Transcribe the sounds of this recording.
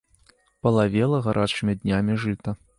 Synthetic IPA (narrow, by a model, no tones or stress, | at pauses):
pɐlˠavʲɛlˠɐɣaɾʔat͡ʂɨmʲid̪ʲnʲamʲiʐɨt̪ɐ